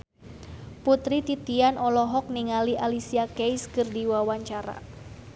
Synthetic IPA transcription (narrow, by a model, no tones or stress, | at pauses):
put̪ɾit̪it̪ianʔɔlɔɦɔk̚niŋaliʔalisiakejskɨrdiwawaɲt͡ʃaɾa̰